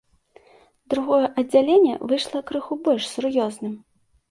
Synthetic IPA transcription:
d̪ɾuɣɔjɛʔɐd͡zʲːalʲenʲːɛ̰vɨʂlˠɐkɾɨxubɔlʲʂsurjɔznɨm

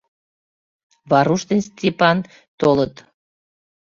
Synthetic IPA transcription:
βɑɾuʃt̪ənsʲt̪ʲipɑn | t̪olət̪

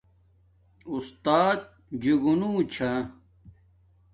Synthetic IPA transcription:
ust̪aːt̪̚ | d͡ʑiɡunuːt͡ɕʰa

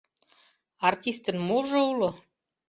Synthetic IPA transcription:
ɑrt̪ʲist̪ənmoʒoulo

